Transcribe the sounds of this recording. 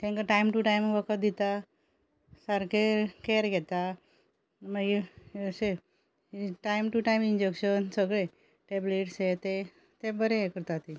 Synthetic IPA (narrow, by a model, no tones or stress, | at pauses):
t̪ʰɛ̃ŋkəʈajmʈuʈajmʋəkəd̪it̪a | saɾkekeɾɡʱɛt̪a | məɡise | ʈajmʈuʈajmind͡ʑekɕənsəɡɭe | ʈebleʈset̪e | t̪ebəɾẽekəɾt̪at̪i